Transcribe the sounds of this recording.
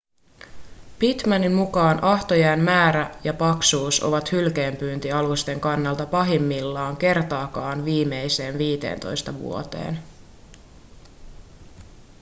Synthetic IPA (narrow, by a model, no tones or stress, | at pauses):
pit̪mænimmukɑːnʔɑht̪o̞jæːmmæːɾæjɑpɑksuːso̰ʋɑt̪hylkeːmpyːnt̪iɑlust̪e̞ŋkɑnːɑlt̪ɑpɑɦimːilːɑːŋke̞rt̪ɑːkɑːnʋiːme̞jse̞ːnʋiːt̪e̞̰ːnt̪o̞̰jst̪ɑʋṵo̞t̪e̞̰ːn